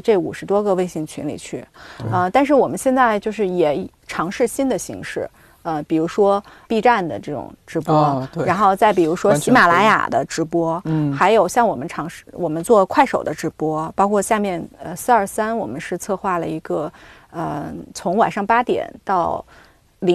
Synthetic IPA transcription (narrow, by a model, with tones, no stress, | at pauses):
ʈ͡ʂe˥˩ṵ˨˩ʂɻ̩˧˥t̪wɔ˥ɡə˧we˥˧ɪɕi˥˩ŋt͡ɕʰy˧˥nlḭ˨˩t͡ɕʰy˥˩ə˧t̪a˥˧nʂ̬ɻ̩˥˩wɔ˨˩mə˦nɕjɛ˥˧nt͡sa˥˧ɪt͡ɕjo˥˧ʂɻ̩˥˩jɛ˨˩ | ʈ͡ʂʰɑ˧˥ŋʂɻ̩˥˩ɕi˥nd̪ə˨ɕḭ˧˥ŋʂɻ̩˥˩ | ə˧pi˨˩ɻu˧˥ʂwɔ˥pi˥˧ʈ͡ʂa˥˩nd̪ə̰˩ʈ͡ʂɤ˥˩ʈ͡ʂʊ̰˨˩ŋʈ͡ʂɻ̩˧˥pwɔ˥ɻa˧˥nxo˥˧ʊt͡sa˥˩ɪpi˨˩ɻu˧˥ʂwɔ˥ɕi˧˥ma˨˩la˧˥ɪja̰˨˩d̪ə̰˦ʈ͡ʂɻ̩˧˥pwɔ˥xa˧˥ɪjo˨˩ʊɕjɑ˥˩ŋwɔ˨˩mə˦nʈ͡ʂʰɑ˧˥ŋʂɻ̩˥˧˩wʔɔ˨˩mə˦nt͡swɔ˥˧kʰwa˥˩ɪʂo˨˩ʊd̪ə˦ʈ͡ʂɻ̩˧˥pwɔ˥pɑ˥ʊkʰwɔ˥˧ɕja˥˧mjɛ˥˧nə˧sɹ̩˥ə˞˨˩sa˥nwɔ˨˩mə˦nʂɻ̩˥˧t͡sʰɤ˥˧xwa˥˩lə˩i˧˥ɡə˧ | ə˧t͡sʰʊ˧˥ŋwa˨˩nʂɑ˥˧ŋpa˥t̪jɛ̰˨˩˦nt̪ɑ˥˩ʊ | li˧˥